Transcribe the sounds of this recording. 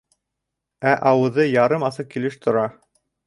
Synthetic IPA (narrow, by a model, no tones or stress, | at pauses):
æʔɑwɤ̆ðɤjɑɾɤmɑsɤq̚kilɘʃt̪ʰŏɾɑ